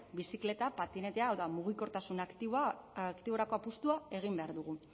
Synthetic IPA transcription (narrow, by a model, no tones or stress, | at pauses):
bisikle̞t̪apat̪ine̞t̪eaowðamuɣ̞iko̞ɾt̪asunakt̪ikt̪iβ̞o̞ɾako̞apust̪uae̞ɣ̞imbe̞aɾðuɣ̞u